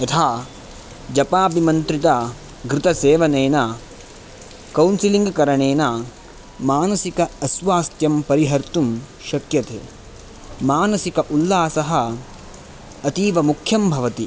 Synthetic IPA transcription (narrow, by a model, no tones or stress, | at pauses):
ɐt̪ʰaː | d͡ʒɐpaːbʱimɐnt̪ɾit̪aː | ɡɾɪt̪ɐseːʋɐneːna | kɐwnsiliŋɡkɐɾɐɳeːnaː | maːnɐsikɐɐsʋaːst̪jɐmpɐɾiɦɐɾt̪um | ʃɐkjɐt̪ḛː | maːnɐsikɐʔulːaːsɐɦɐ̆ | ɐt̪iːʋɐmukʰjɐmbʱɐʋɐt̪i